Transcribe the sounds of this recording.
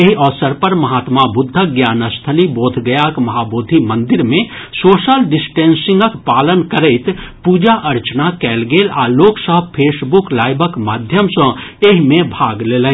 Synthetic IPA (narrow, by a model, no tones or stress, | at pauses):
eɦiʔɔːsəɾpəɾmɐɦaːt̪mabʊd̪ʱːəɡjaːnəst̪ʰəliboːt̪ʰɡəjakmɐɦaːboːd̪ʱimə̃nd̪ɪɾmẽsoːʃəlɖɪsʈẽːnsɪ̃ŋɡəkpaːlənkəɾəɪt̪puːd͡ʒaʔɐɾt͡ʃnakɛːlɡeːla̰ːloːksəɦpʰeːsbuklaːɪbəkmaːd̪ʱjəmsə̃eɦmẽbʱaːɡleːlẽ